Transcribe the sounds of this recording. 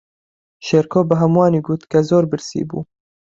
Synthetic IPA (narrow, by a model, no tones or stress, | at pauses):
ʃeːɾkʰoːbɨɦɐmwɑːniːɡuːt̪kɐzoːɾbɨɾsḭbṵː